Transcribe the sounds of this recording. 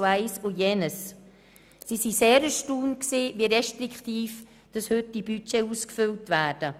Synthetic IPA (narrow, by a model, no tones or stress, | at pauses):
aɪsujenəs | sisiseːɾəʃtuːnksiːviːɾɛʃtɾɪktiːf | d̥ɑshʏt̚dibyt͡ʃeuːskfʏltvɛːɾd̥ə